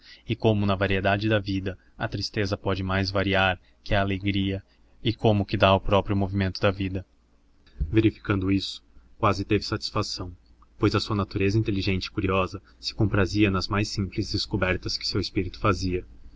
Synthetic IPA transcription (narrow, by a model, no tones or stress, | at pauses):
ɪkõmʊnɐvaɾied̪ad͡ʒɪd̪ɐvid̪ɐ | ɐt̪ɾist̪ezɐpɔd͡ʒɪmajzvaɾiaɾ | kɪɐːleɡɾiɐ | ɪkõmʊkɪd̪aʊpɾɔpɾjʊmovimẽnt̪ʊd̪ɐvid̪ɐ | veɾifi̥kɐ̃nd̪ʊisʊ̥kwazɪt̪evɪsat͡ʃi̥sfasɐ̃w̃ | pojzɐsuɐnat̪uɾezɐĩt̪eliʒẽnt͡ʃɪ̥kuɾiɔzɐ | sɪ̥kõpɾaziɐnɐzmajsĩmplɪzd̪eskobɛɾt̪ɐskɪ̥sewɪspiɾit̪ʊ̥faziɐ